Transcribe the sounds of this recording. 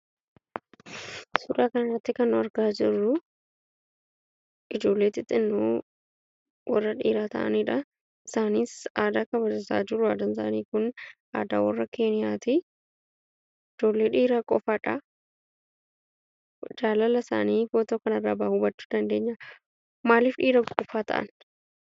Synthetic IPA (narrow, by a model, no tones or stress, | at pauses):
sʊɾaːkɐnɐrːɐt̪ːɪkɐnːʊɐɾɡaːd͡ʒɪrːʊ | ʔɪd͡ʒo̞ːlːeːt̪ɪt̪ʼːɪnːu | wʔɐ̰rːɐᶑiːɾaːt̪ɐ̰ʔɐ̰niːᶑɐ | ɪsaːniːsaːd̪aːkɐβɐd͡ʒɪsaːd͡ʒɪɾːʊaːd̪ɐnsaːniːkʊnʔa̰ːd̪aːwɐrːɐkʰe̞ːnɪjaːt̪ɪ | ɪd͡ʒoːlːe̞ːᶑiːɾakʼɔfaːᶑɐ | d͡ʒaːlɐlɐsa̰ːniːfoːt̪oːkɐnɐrːaːbaːhʊbɐt͡ʃːu̥d̪ɐnd̪e̞ːɲːɐ | maːliːfᶑiːɾɐkkʼɔfaːt̪ʰɐ̰ʔɐ̰n